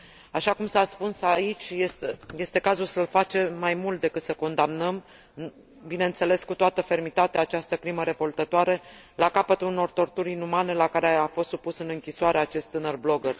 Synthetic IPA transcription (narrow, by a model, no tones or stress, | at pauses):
aʃakumsaspunsait͡ʃʲjesje̞st̪e̞kazulsəlfat͡ʃe̞majmult̪̚d̪e̞kɨt̪səko̞nd̪amnəm | bine̞ɨntse̞le̞skut̪oat̪əfe̞rmit̪at̪eaːt͡ʃast̪əkɾiməɾe̞vo̞lt̪ət̪oaɾe | lakapət̪uuno̞rt̪o̞rt̪uɾinumane̞lakaɾeafo̞st̪supusɨnɨŋkʲisoaɾeat͡ʃe̞st̪ːɨnərblo̞ɡər